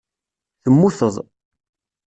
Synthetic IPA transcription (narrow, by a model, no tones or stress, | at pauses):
θəmːuθəðˤ